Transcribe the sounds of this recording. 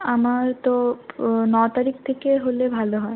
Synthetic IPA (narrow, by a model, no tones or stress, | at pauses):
amaɾt̪o | nɔt̪aɾikʰt̪ʰekeɦolebʱaloɦɔe